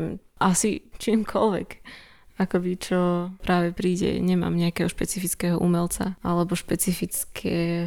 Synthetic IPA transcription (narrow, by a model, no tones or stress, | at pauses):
mʔasit͡ʃiːmkʰɔlʋɛ̰k | akɔbit͡ʃɔpɾaːʋɛpɾiːɟɛ̰ɲɛma̰ːmɲɛakɛɦɔʃpɛt͡sifit͡skɛɦɔʔumɛlt͡saalɛbɔʃpɛt͡sifit͡skʰɛ